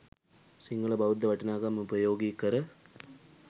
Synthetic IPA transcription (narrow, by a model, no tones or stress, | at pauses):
siŋɡɐɭɐbɐud̪ːɐʋɐʈːɐnaːɣɐmʊbɐjoːɡikːɐɾɐ